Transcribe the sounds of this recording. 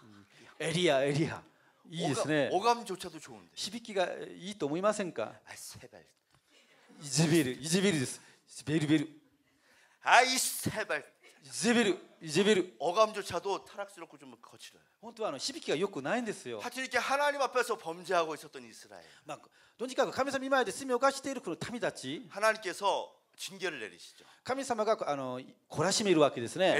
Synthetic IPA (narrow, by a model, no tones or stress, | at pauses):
eɾʲiaeɾʲia̰ | iːd̪e̞sɨne̞oɡamd͡ʑot͡ɕʰad̪ot͡ɕoɯ̰nd̪eçibʲikʲiɡa̰iːt̪oːmoimasẽ̞ŋka̰a̰seba̰ | id͡ʑibeɾɯid͡ʑibeɾɯd̪e̞sɨ̥ | beɾɯbe̞ɾɯ̟ | aisebaɭ | id͡ʑebeɾɯid͡ʑibeɾɯʌɡamd͡ʑot͡ɕʰad̪ot̪ʰaɾak̚sɯɾok͈ʰːot͡ɕomkʰʌt͡ɕʰiɾʌ̰johõ̞nt̪o̞aːno̞çibʲikʲiɡajo̞kɯ̟naĩnd̪e̞sɨjo̞̰sʰat͡ɕʰiɾike̞hanaɲimape̞sʰʌpʌmd͡ʑeɦaɡois͈ʌt̪͈ːʌnisʰɯɾa̰ḛma | d̪̥oɲd͡ʑikakɯ̟kamʲisamaimaed̪esemʲiokaɕi̥t̪eiɾɯ̟konot̪ʰamʲit̪at͡ɕihanaɲimk͈e̞sʰʌ | t͡ɕinɡe̞ɾɯɭːe̞̰ɾʲḭɕʰi̥d͡ʑokamʲisamaɡaano̞kʰo̞ɾaɕime̞ɾɯ̟βake̞d̪e̞sɨne̞